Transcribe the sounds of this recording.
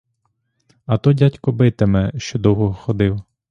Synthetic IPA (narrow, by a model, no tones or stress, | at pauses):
ɐt̪ɔdʲatʲkɔbɪt̪ɪmɛʃt͡ʃɔd̪ɔwɦɔɦɔxɔd̪ɪw